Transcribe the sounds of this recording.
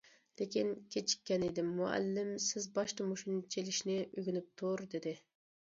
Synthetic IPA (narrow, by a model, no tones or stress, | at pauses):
lekʲinkʲʰet͡ʃʰi̥kʲːɛned̪ɪmːuæ̰lːɪmsɪzbɑʃt̪ɨmuʃunt͡ʃʰelɪʃnɪʔøɡʲynyp̚t̪ʰʊɾd̪ɪd̪ɪ